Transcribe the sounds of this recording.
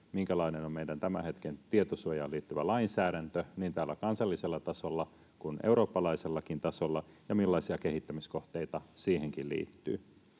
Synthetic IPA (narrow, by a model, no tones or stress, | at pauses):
miŋkælɑinenommeidænt̪æmæ̰he̞t̪kent̪iet̪osuojɑːliːt̪ːyʋælɑinsæːɾænt̪øniːnt̪æːlːækɑnsɑlːiselːɑt̪ɑso̞lːɑ | kunḛuɾo̞ːpːɑlɑise̞lːɑkint̪ɑsolːɑjɑmilːɑisiɑke̞hit̪ːæmisko̞ht̪eit̪ɑsiːheŋkillḭːt̪ːy̰ː